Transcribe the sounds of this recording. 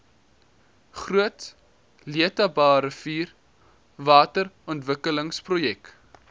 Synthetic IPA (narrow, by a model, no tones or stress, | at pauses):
χruət | liətɐbɑːɾəfiːr | vɑːtərɔntvəkələŋsprojɛk